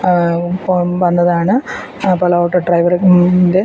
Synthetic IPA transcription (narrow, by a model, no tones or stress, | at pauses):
oʋɐnːɐðaːɳɨ | pɐlɐoːʈːɐɖrɐjʋɐrnde̞